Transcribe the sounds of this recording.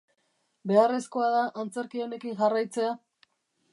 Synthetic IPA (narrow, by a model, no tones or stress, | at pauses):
be̞are̞sko̞aðaʔant͡se̞ɾkio̞ne̞kiŋʝarajt͡se̞a